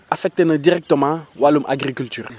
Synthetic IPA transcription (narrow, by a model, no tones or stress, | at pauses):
afɛk̚t̪enədiʁɛk̚t̪əmãwalumʔa̰ɡʁikylt̪yːʁ